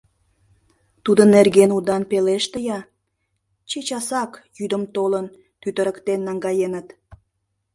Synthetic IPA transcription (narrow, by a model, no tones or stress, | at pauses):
t̪ud̪ənːerɡenud̪ɑnpeleʃt̪əjɑ | t͡ɕet͡ɕɑsɑkjyd̪əmt̪olən | t̪yt̪əɾəkt̪enːɑŋɡɑjenət̪